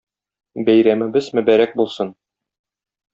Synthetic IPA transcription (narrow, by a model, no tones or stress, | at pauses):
bæjɾæmɘ̆bɘzmɵ̆bæɾæk̚bulˠsɤn